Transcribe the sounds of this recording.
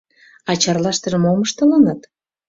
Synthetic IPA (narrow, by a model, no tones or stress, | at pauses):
ɑt͡ɕɑrlɑʃt̪ə̆ʒəmoməʃt̪ələnət̪